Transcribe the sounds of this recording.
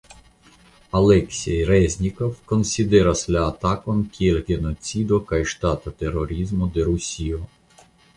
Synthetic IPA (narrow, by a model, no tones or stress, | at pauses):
ɐlˠɛksʲɛjɾɛzʲnʲikɔwkɔnʲsʲid̪ɪɾɐslʲɐːt̪ɑkɔmkʲʰilɡʲenɔt͡sʲid̪ɔkɐjʃt̪ɑt̪ɐt̪erɔɾʲizmʊd̪eɾusʲiɔ